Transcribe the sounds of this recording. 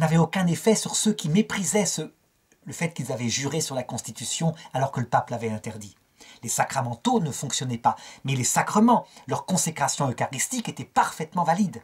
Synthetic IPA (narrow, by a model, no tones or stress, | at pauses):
navɛokɛ̃nefɛsyʁsøkʲimepχizɛsə | ləfɛt̪kʲilzavɛʒyʁesyʁlakɔ̃st̪it̪ysjɔ̃alɔʁkələpaplavɛt̪ɛ̃t̪ɛʁd̪i | lesakχamɑ̃t̪onəfɔ̃ksjɔnɛpamɛlesakχəmɑ̃lœʁkɔ̃sekχasjɔ̃økaʁist̪iket̪ɛpaʁfɛt̪mɑ̃valid̪